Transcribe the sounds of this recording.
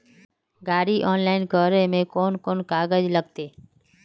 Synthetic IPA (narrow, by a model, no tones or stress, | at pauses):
ɡaːɾiʔɔːnlaːɪnkɔːɾẽmẽkɔːnkoːnkaːɡəd͡ʒləɡ̚t̪eː